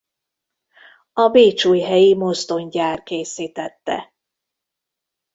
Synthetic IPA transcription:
ɒbeːt͡ʃuːjɦɛjimo̞zd̪o̞ɲɟaːrkeːsiːt̪ɛt̪ːɛ̰

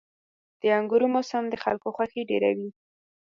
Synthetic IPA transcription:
d̪̥əaŋɡuɾomosamd̪əxalkoxwaxeɖeɾa̰wi

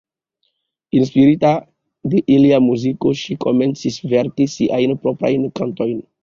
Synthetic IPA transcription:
inspiɾita | deʔiliamuzikoʃikoment͡sisveɾkisiʔajnpɾopɾa̰jnkanto̞jn

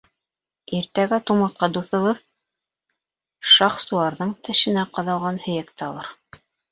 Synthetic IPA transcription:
iɾt̪æɡæt̪umɑt̪̚qɑd̪uθɤ̆βɤð | ʃɑχsulˠɑɾðɤɴt̪ɘ̆ʃɘ̆næqɑðɑlˠʁɑnhɵ̆jæk̚t̪æɑlˠɑɾ

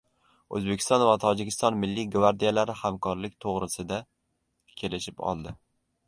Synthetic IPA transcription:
ɵ̰zbe̞kʲʰɪ̥st̪ɒnvat̪ʰɒd͡ʒɪkʲʰɪst̪ɒnmɪlːiɡvaɾd̪ijalaɾɪhamkʰɒɾlɪk̚ʲt̪ʰoʁɾɪsɪd̪a | kʲʰe̞lɪʃɪpɒ̰lˠd̪ɪ

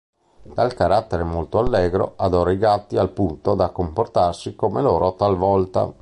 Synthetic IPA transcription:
d̪̥alkaɾat̪ːeɾemolt̪oalːɛːɡɾo̰ʔad̪oːɾaiɡat̪ːialpunt̪od̪akːomport̪arsikomeloːɾot̪alvɔlt̪a̰

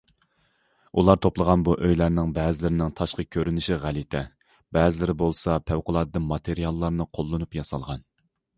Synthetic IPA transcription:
ulˠɑɾt̪ʰoplˠəʁɑnbuʔøjlæɾnɪŋbɛːzɪlɪɾɪnɪŋt̪ʰɑʃqəkʲʰøɾynɪʃiʁælɪt̪ʰɛ | bɛːzɪlɪɾɪbolˠsɑpʰæwqʊlˠɑːd̪ɨd̪ɨnmɑt̪ʰeɾijɑlˠːɑɾnɨqʰolˠːɨnupjɑsɑ̰lˠʁɑn

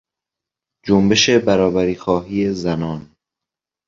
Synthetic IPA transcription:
d͡ʒombe̞ʃebæɾɒːbæɾiːxɒːɦiːezænɒːn

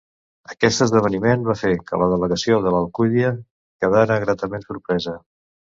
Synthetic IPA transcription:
əkɛst̪əzðəβ̞ənimenβafekə̰ləðələɣəsioðələlˠkuðiə | kəðaɾəɣɾat̪əmensuɾpɾɛzə

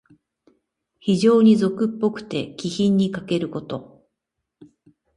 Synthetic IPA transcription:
çiʑo̞ːɲ̟izo̞kɯ̟pːo̞kɯ̟̥t̪e̞kʲiçĩɲ̟ːikake̞ɾɯ̟ko̞t̪o̞

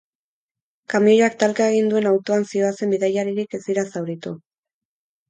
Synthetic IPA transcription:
kamiojoak̚t̪alkae̞ɣ̞ind̪ue̞nawt̪o̞ansio̞ase̞mbiðajaɾiɾike̞ziɾasawɾit̪u

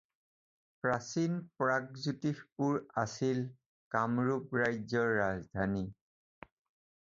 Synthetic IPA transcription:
pɹasinpɹaɡ̚zutikpuɹasil | kamɹupɹajzɔɹːazdʱani

